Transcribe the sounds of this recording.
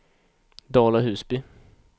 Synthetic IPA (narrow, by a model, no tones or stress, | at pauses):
d̪ɑːlaɦʉːsbɪ